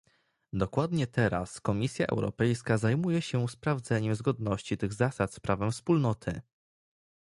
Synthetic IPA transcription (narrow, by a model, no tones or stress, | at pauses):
d̪ɔkwad̪ɲɛt̪ʰɛɾa̰skɔmʲisʲja̰ʔɛ̰wɾɔ̰pɛjskazajmujɛɕɛspɾavd̪zɛɲɛmzɡɔd̪nɔɕt͡ɕit̪ɘɣzasat̪spɾʔavɛmfspulnɔt̪ʰɘ̰